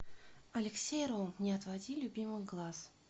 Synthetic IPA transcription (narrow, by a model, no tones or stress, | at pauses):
ɐlʲɪksʲejɾolˠnʲɪɐt̪vɐdʲilʲʊbʲimɨjɡlˠas